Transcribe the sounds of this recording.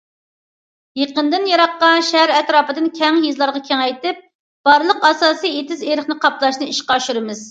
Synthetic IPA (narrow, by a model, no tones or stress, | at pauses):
jeqənd̪ɪnjɑɾɑqːɑʃæɾɛt̪ɾɑːpɨd̪ɨnkʲʰɛŋjizlˠɑɾʁɑkʲʰɛŋɛjt̪ɪp̚ | b̥ɑɾlˠəqɑsɑːsijet̪ɪzeɾɪχnɨqʰɑplˠɑʃnɨiʃqɑːʃyɾɨmɪz